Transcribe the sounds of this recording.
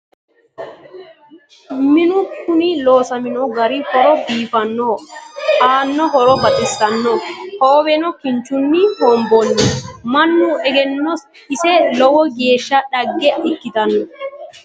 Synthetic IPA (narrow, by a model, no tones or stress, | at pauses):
mɪnʊkːʊniloːsɐmɪnɔɡɐɾihɔɾɔbiːfɐnːoːaːnːɔhɔɾɔbɐt̪ʼɪsːɐnːɔhoːwɛnɔkɪnt͡ʃːʊnːihɔːmbɔnːɛmɐnːuɛɡɛnːɔ | ɪsɛlɔwɔɡe̞ːʃːɐᶑɐɡːɛɛkːɪt̪ɐnːɔ